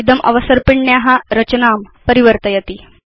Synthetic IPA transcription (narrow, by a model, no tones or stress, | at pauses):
id̪əmʔɐ̰ʋəsəɾpiɳɳjaɦãɾət͡ɕənaːm | pəɾiʋəɾt̪əjet̪iː